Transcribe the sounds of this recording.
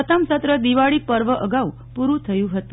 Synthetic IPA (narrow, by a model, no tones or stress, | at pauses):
ət̪əmsət̪ɾəd̪iʋaɭipəɾʋəʔəɡau | puɾũt̪ʰəjũɦət̪u